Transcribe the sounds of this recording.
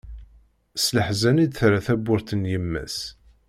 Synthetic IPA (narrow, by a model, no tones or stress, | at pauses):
sləħzænid̪θɾaθæbːʊɾθənjəmːæ̰s